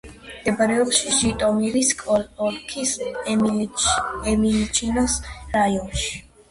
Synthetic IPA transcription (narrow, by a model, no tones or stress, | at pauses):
md̪ɛbaɾɛɔpʃiʒit̪ʼɔmiɾiskʼɔlɔlkʰis | ɛmilit͡ʃʰinɔsɾajɔnʃi̥